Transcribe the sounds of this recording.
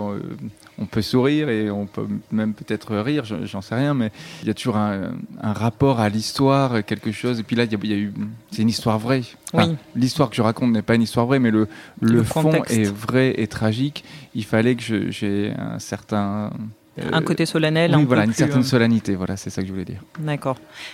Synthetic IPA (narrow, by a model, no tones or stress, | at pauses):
ø̰ɔ̃pøsuʁiʁeɔ̃pø̰mɛmpøt̪ɛt̪χəʁiʁʒ̰ʒɑ̃sɛʁjɛ̃mɛijat̪uʒuʁɛ̃ɛ̰̃ʁapɔʁalist̪waʁøkʲɛlkəʃozepɥilailjailjaysɛt̪ynist̪waʁvʁɛ̃wfɛilist̪waʁkəʒəʁakɔ̃t̪nɛpaynist̪waʁvʁɛmɛlələffɔ̃ɛʔɛvʁɛʔet̪χaʒikilfalɛkəʒə̰ʒɛɛ̰̃sɛʁt̪ɛ̰̃ | ɛ̃kot̪esɔlanɛl̃wivwalaynsɛʁt̪ɛnsɔlanit̪evwala̰sɛsakəʒəvulɛd̪ḭːʁd̪akɔʁ